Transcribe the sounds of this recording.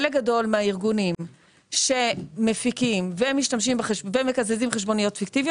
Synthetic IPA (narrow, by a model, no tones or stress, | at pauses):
leɡado̞lmeaiʁɡunim | ʃe̞mefikimvemiʃtamʃ̬imbeχeʃveme̞kazezimχeʃbo̞nijo̞tfiktivio